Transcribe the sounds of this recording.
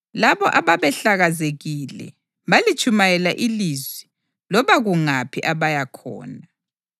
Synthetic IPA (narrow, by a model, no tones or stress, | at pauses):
laβɔʔaβaβɛɬaɣazeɣilɛ̰ | βalit͡ʃʼumajɛlaʔilizwi | lɔβaɣuŋapʰiʔaβajakʰɔ̰ːna